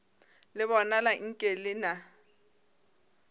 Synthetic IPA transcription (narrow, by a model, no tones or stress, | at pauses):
lɪβɔnalaŋ̩kʼelɪna